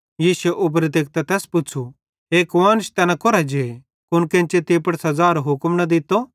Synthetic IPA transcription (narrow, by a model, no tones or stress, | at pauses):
jiːsuɛʔʊp̬ɾet̪ek̚t̪at̪ɛːspʊt͡ʃʰu | eːkʋãːnʃt̪ɛːnakoɾad͡ʒe | kʊnkẽnt͡ʃet̪eːpɐɽsɐd͡zaːɾoɦʊkmnɐd̪ɪt̪ːo